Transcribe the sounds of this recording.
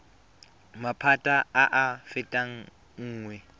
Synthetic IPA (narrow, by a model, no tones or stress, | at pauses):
mapʰatʼaaʔafɪtʼaŋ̩ | ŋ̩ːŋwɛ